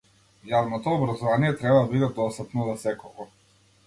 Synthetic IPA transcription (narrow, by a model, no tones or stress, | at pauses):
javnɔt̪ɔːbɾazɔvanijɛt̪ɾɛbad̪abid̪ɛd̪ɔst̪ap̪nɔzasɛkɔɡɔ